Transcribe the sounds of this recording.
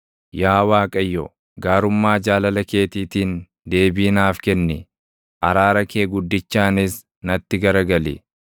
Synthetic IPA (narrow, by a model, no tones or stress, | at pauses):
jaːwaːkʼɐjːɔ | ɡaːɾʊmːaːd͡ʒaːlɐlɐke̞ːt̪iːt̪iːn | d̪e̞ːbiːnaːfkɛnːɪ | ʔɐɾaːɾɐke̞ːɡʊd̪ːɪt͡ʃːaːnɪs | nɐt̪ːɪɡɐɾɐɡɐlɪ̰